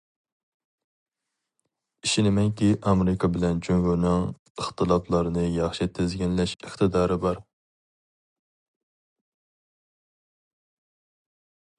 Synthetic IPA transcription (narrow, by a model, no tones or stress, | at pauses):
iʃinɪmɛŋkʲiʔɑmeɾɪkʰɑbɪlɛnd͡ʒyŋɡuɾnɨŋ | əχt̪ʰɨlˠɑplˠɑɾɨnɨjɑχʃit̪ʰezɡʲɛnlɛʃəχt̪ɨd̪ɑːɾɨbɑɾ